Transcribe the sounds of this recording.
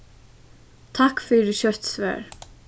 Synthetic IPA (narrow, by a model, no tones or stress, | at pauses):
t̪ʰakfiːɾɪɕœht̪svɛ̰ːɹ